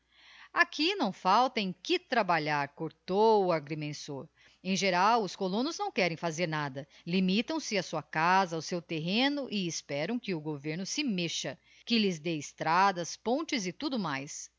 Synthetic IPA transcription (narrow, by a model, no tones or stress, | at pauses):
akinɐ̃w̃fawt̪ɐẽj̃kɪt̪ɾabaʎaɾkoɾt̪oʊaɾɡɾemẽsoɾ | ẽj̃ʒeɾawʊskolõnʊznɐ̃w̃kɛɾẽj̃fazeɾnad̪ɐ | limit̪ɐ̃w̃sɪasuɐkazɐːwsewt̪eɦẽnʊʔɪːspɛɾɐ̃w̃kɪʊɡoveɾnʊsɪmeʃɐ | kɪlɪzd̪eɪst̪ɾad̪ɐspõt͡ʃɪzɪt̪ud̪ʊmajs